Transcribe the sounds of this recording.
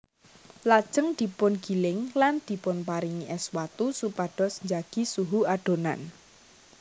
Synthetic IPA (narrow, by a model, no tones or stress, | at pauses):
lad̥ʒ̥əŋd̪̥i̤pʊnɡ̥i̤lɪŋland̪̥i̤pʊnpaɾiŋiʔɛswat̪usupaɖ̥ɔ̤sɲd͡ʒaɡ̥i̤suɦuaɖ̥o̤na̰n